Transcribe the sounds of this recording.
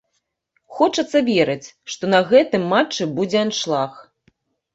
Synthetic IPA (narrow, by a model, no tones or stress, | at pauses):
xɔt͡ʂɐt̪sːɐvʲeɾɐt͡sʲʂt̪ɔnɐɣɛt̪ɨmːat͡ʂːɨbud͡zʲɛanʂlˠax